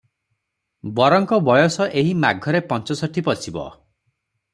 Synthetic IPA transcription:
bɔɾɔŋkɔbɔjɔsɔʔeɦimaɡʱɔɾepɔnt͡ʃɔsɔʈʰipɔsʰibɔ̰

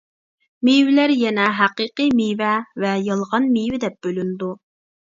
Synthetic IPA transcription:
miwɪlæɾjɛnɛɦæqiqɨmijvɛvɛjɑlˠʁɑnmivɪd̪ɛp̚b̥ølynd̪u

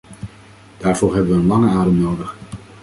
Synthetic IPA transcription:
d̥aːɹv̥ʊːɹɦɛbəʋəənlɑŋəaːdəmnowdəχ

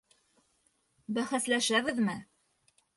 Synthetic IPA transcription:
bæχæslæʃæβɘðmɘ

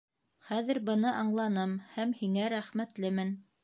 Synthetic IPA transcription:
χæðɘɾbɤ̆nɤʔɑɴlˠɑnɤmhæmhiŋæɾæχmæt̪lɘmɘn

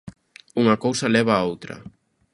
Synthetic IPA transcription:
uŋɐkowsɐlɛβ̞aːowt̪ɾɐ̰

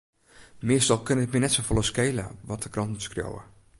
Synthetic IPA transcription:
mɪəstɔlˠkønəɪtminɛtsofolˠəskeːlə̰ʋɔtəkrɔntmutskrjo̰wə̰

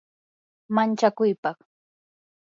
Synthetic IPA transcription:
mant͡ʃakʊjpɑχ

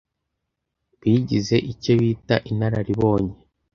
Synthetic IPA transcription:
βiɟize̞ʔice̞βiːtaʔin̥aɾaɾiβo̞ːɲe

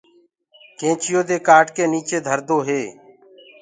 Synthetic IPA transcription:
kẽːt͡ʃɪjoːd̪eːkaːʈkeːniːt͡ʃeːd̪ʱəɾd̪oːɦeː

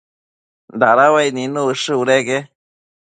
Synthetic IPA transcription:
d̪aɾawajninuɯʂɨuɾeɡe

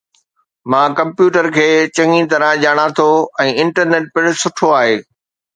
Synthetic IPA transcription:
mãːkɐ̃mpjuːʈəɾkʰeːt͡ɕɐ̃ŋĩt̪ɐɾãʄaːɽ̃at̪ʰoɛ̃ːɪ̃ɳʈəɾneːʈ̚pɪɽʊsʊʈʰoaːɦeː

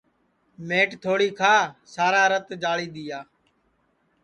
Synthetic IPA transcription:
meːʈt̪ʰoːɽiːkʰaːsaːɾaːɾət̪d͡ʒaːliːɗ̪ɪjaː

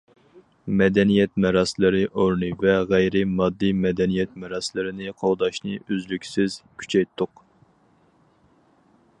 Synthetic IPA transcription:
mɛd̪ɛnijɛt̪mɛɾɑslˠɨɾɨʔoɾnɨvɛʁæjɾɪmɑd̪ːɨmɛd̪ɛnijɛt̪̚mɛɾɑslˠɨɾɪnɨqʰowˠd̪ɑʃnɨøzlykʲsɪzkʲʰy̥t͡ʃʰɛjt̪ʰːʊq

